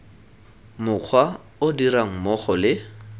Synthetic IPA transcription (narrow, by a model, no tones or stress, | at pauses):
mʊq͡χʰwa | ʊdiɾaŋ̩mɔχɔlɪ